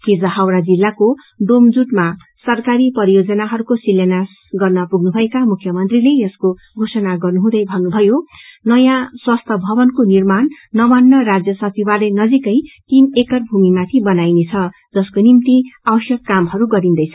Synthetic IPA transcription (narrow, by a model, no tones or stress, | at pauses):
kid͡zʌɦawɾad͡zilːako | ɖomd͡zuʈma | sʌrkaɾipʌɾijod͡zʌnaɦʌɾukosilːenas | ɡʌrnʌpuɡnubʱʌekamukʰjʌmʌnt̪rilejʌsko | ɡʱosʌnaɡʌrnuɦũd̪ʌjbʱʌnːubʱʌjonʌjãswʌst̪ʰʌbʱʌbʌnkonirmanː | ʌmanːʌrad͡zjʌsʌt͡sʰibalenʌd͡zikʌjt̪inekʌrbʱumimat̪ʰibʌnajnet͡sʰʌ | d͡zʌskonimt̪iabʌsjʌkːamɦʌɾuɡʌɾind̪ʌjt͡sʰʌ